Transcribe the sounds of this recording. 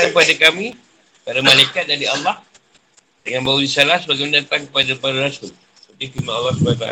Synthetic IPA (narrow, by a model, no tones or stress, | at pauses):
akəpadakami | paɾamalajkat̪̚daɾiɑlːɑh | jaŋbaudisalahsəbaɡɛmandat̪aŋkəpadapaɾaɾasʊl | pət̪ikimaɑlːɑhsubanut̪a̰